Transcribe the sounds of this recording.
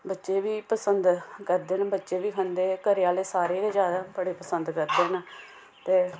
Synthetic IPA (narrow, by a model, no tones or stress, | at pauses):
bətːʃeːʋiːpəsənd̪kəɾd̪eːnabətːʃeːʋiːkʰənd̪eːkəɾɪjaːleːsaːɾeːdeːd͡ʒjaːd̪aːbəɽeːpəsənd̪kəɾd̪eːna | t̪eː